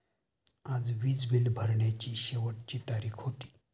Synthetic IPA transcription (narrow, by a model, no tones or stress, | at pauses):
ad͡zʋiːt͡sbʱilbʱəɾɳjat͡ɕiːɕeʋəʈt͡ɕiːt̪aɾiːkʰhot̪i̥ː